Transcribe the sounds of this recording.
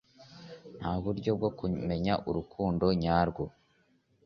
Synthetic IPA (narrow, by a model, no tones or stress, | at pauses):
n̥haβuɾɟo̞b̚ɡo̞kume̞ɲaʔuɾukʰuːndo̞ɲaːɾɡwo